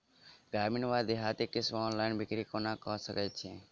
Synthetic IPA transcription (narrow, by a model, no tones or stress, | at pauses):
ɡaːɾminʋaːd̪eɦaːt̪ekɪsʋɔːnlaːɪnbɪkɾikonakɔsəkɛt͡ʃʰẽː